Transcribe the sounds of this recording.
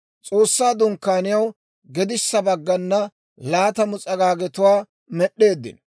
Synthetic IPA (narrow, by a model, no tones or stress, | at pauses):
t͡sʼo̞ːsːaːd̪ʊŋkːaːnɪjɐw | ɡɛd̪ɪsːɐbɐɡːɐnːɐ | laːt̪ɐmʊt͡sʼɐɡaːɡɛt̪ʊwaː | mɛɗːe̞ːd̪ːɪ̰n